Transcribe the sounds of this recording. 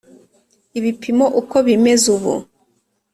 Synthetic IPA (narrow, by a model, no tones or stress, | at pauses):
iβipʰimo̞ʔuko̞βime̞zuβṵ